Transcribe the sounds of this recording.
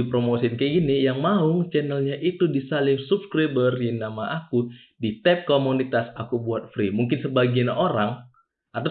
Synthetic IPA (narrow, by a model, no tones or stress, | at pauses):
ipɾomosinkəɡinijaŋmaʊŋt͡ʃɛnəlɲaʔit̪udisalɪmsupskɾabərjinamaʔaku | dit̪ɛp̚komunit̪asakubuat̪̚fɾimuŋkɪnsəbaɡianoɾaŋ | ʔat̪a